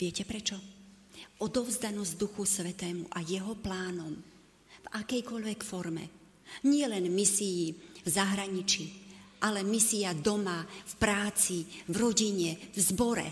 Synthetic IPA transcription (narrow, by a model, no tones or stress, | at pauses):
vɪɛcɛpɾɛt͡ʃɔ | ʔɔd̪ɔʊzd̪anɔzd̪uxusʋɛt̪ɛːmṵʔajɛɦɔplaːnɔm | vakɛjkɔʎʋɛkfɔɾmɛ̰ | ɲɪɛlɛnmisijivzaɦɾaɲit͡ʃiʔalɛmisiad̪ɔmafpɾaːt͡sivɾɔɟiɲɛvzbɔɾɛ̰